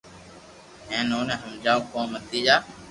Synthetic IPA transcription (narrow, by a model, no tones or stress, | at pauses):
ɦẽːnoːnẽːɦəmd͡ʒaːoːkõːmət̪iːd͡ʒaː